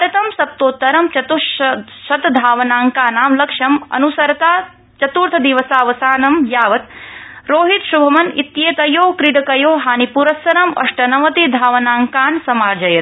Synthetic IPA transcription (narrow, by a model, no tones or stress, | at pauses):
pɐɾɐt̪ɐmsɐp̚t̪oːt̪ːɐɾɐmt͡ʃɐt̪uʃɐt̪d̪ʱaːʋɐnaːŋkaːnaːmlɐkʂɐmɐ̰nusɐɾɐt̪aː | t͡ʃɐt̪uːɾt̪ʰɐd̪iʋɐsaːʋɐsaːnɐmjaːʋɐt̪ɾoːɦit̪ʃubʱɐmɐnit̪jeːt̪ɐjoːkɾiɖɐkɐjoːɦaːnipuɾɐsɐɾɐmɐ̰ʂʈɐnɐʋɐt̪id̪ʱaːʋɐnaːŋkaːnsɐmaːɾd͡ʒɐjɐt̪